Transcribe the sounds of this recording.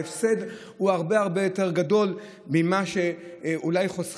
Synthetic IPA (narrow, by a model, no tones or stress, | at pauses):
efsed | huaʁbeaʁbe̞jo̞teʁ̞ɡado̞l | mimaʃeʔulajχos